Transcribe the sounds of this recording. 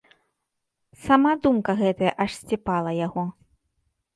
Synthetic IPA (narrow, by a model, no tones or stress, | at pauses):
samad̪umkɐɣɛt̪ɐjɐʔɐʂsʲt͡sʲɛpalˠɐjaɣɔ